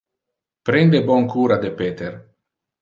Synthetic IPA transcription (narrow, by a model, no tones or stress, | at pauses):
pɾend̪ebɔŋkuːɾad̪epet̪eɾ